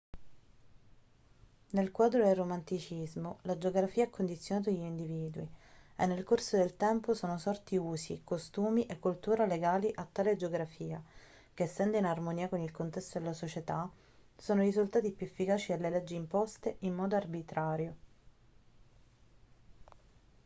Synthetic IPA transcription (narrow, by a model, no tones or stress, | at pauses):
nelkwaːd̪ɾod̪elrːomant̪it͡ʃizmolad͡ʒoɡɾafiːaɛkːond̪it̪sjonaːt̪̬aʎːind̪iviːd̪uienːelkorsod̪elt̪ɛmposoːnosɔrt̪iuːzḭkost̪uːmiʔekːult̪uːɾaleɡaːliʔat̪ːaːled͡ʒoɡɾafiːa | k̟eːsːɛnd̪einarmoniːakonilkont̪ɛst̪od̪elasot͡ʃet̪a | soːnoɾizult̪aːt̪̬ipjuefːikaːt͡ʃid̪elːeled͡ʒːiːmpost̪eʔimːɔːd̪oarbit̪ɾaːɾjo